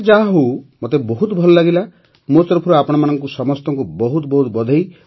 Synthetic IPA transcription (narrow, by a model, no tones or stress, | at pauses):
d͡ʒaɦaɦowmot̪ebɔɦut̪bʱɔlɔlaɡila | mot̪ɔɾɔpʰuɾɔapɔɽ̃ɔmanɔŋkusɔmɔst̪ɔŋkubɔɦut̪ɔbɔɦut̪bɔd̪ʱɔj